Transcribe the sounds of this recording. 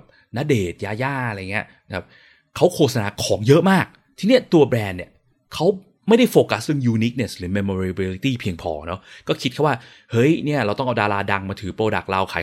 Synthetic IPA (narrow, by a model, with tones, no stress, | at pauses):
p̚ | na˦˥deː˨˩t̪̚jaː˧jaː˥˩˧a˧ja˨ŋːi˦˥ɐ˧kʰa˦˥p̚ | kʰa˦˥wkʰoː˧˩t̪sa˧naː˧kʰɔː˩˦ŋjɤ˦˥ʔmaː˥˩k̚ | t̪ʰiː˧ni˥˩ɐt̪u˧ɐbɾɛː˧nːi˨˩ɐ | kʰa˦˥w | ma˥˩jda˥˩jfoː˧ka˦˥stɯ˧ŋjuː˧ni˦˥k̚ne˨˩sɾɯː˨˩˦me˧mo˧ɾi˧bi˧li˧˦t̪iː˥˩pʰi˧əŋpʰɔ̰ː˧˩nɔ˦˥kɔː˥˩kʰi˦t̪̚kʰa˦˥waː˥˩ | hɤ˦˥jni˥˩ɐɾa˧wt̪ɔ˥˩ŋʔa˧wdaː˧laː˧da˧ŋmaː˧t̪ʰɯː˩˦pɾoː˧da˨˩k̚la˧wkʰa̰ː˨˦